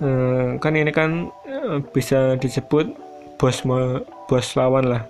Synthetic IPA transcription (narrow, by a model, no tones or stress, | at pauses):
əkaninikan | b̥i̤sad̪̥i̤səb̥ʊt̪̚ | b̥ɔ̤sm | b̥ɔ̤slawanlah